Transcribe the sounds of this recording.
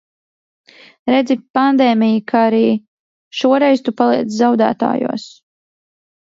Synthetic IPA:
ɾɛd̪zipand̪eːmʲijikʰaaɾiː | ʃuɔɾɛjzt̪upalˠiɛt̪szawd̪æ̰ːt̪a̰ːjṵɔs

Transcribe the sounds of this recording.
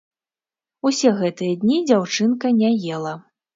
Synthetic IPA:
usʲɛɣɛt̪ɨjɐd̪ʲnʲid͡zʲawt͡ʂɨnkɐnʲajɛlˠɐ

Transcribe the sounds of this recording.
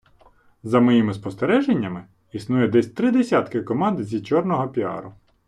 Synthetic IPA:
zɐmɔjimɪspɔst̪eɾɛʒenʲːɐmɪ | isnujɛd̪ɛsʲt̪ɾɪd̪esʲat̪kɪkɔmɑnd̪zʲit͡ʃɔrnɔɦɔpʲiɑ̰ɾʊ

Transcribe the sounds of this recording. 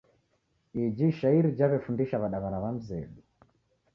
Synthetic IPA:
id͡ʒiʃaiɾid͡ʒaβɛfundiʃaβaɗaβaɾaβam̩zɛ̰ɗi

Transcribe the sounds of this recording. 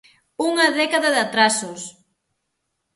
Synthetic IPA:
uŋɐðɛkaðɐðat̪ɾasʊs

